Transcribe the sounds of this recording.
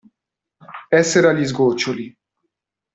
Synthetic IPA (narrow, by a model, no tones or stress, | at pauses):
ɛseɾalizɡoːt͡ʃoli